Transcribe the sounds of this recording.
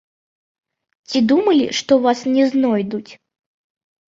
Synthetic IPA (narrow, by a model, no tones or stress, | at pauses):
t͡sʲid̪umɐlʲḭʂt̪ɔvasnʲɛznɔjd̪ut͡sʲ